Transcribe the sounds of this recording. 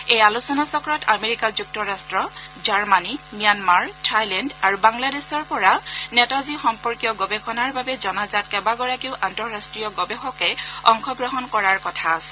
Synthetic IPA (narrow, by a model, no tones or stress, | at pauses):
ejalusɔnasɔkɔɹɔtameɹikazuk̚tɔɹastɹɔ | zaɹmanimijanmaɹtʰajlɛndaɹubaŋladesɔɹpɔɹanɛtazixɔmpɔɹkijɔɡɔbɛxɔnaɹbabɛzɔnazat̚kɛbaɡɔɹakiʊʔantɔɹastɹijɔɡɔbexɔkɛɔŋxʰɔɡɹɔɦɔnkɔɹaɹkɔtʰaːsɛ̥